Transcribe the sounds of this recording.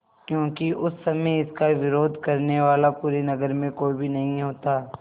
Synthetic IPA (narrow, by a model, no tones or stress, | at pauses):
kjõːkiʊsːɐmeɪskaʋɪɾoːd̪ʱkɐɾneʋaːlapuːɾinɐɡəɾmẽkoːibʱinɐɦĩɦoːt̪aː